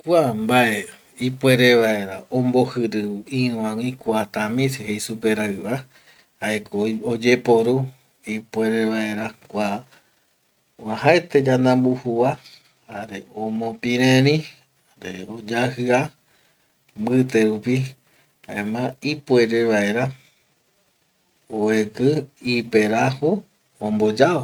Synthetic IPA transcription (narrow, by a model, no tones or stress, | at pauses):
kʷambaʔe | ipwe̞ɾeβae̞ɾaʔõmbohɨɾɨɨĩwãwĩkʷat̪ãmĩseɦejsupe̞ɾaɨβa | haekood͡ʒe̞poɾu | ipwe̞ɾeβae̞ɾakʷa | ahaet̪ed͡ʒanãmbuhuβa | haɾeomõpĩɾẽɾĩ | aɾeod͡ʒahɨa | mbɨt̪eɾupi | aẽmãipweɾeβae̞ɾa | oekɨipeɾaho | õmbod͡ʒao